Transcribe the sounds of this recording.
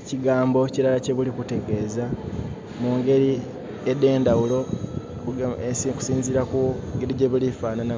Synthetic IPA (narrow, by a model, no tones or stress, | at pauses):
ciɡaːmbo̞ciɾalace̞βulikute̞ɡe̞ːza | muːŋɡe̞ɾi | ede̞ːndawulo̞ | ku̥siːnziɾakuŋɡe̞ɾiɟe̞βulifaːnana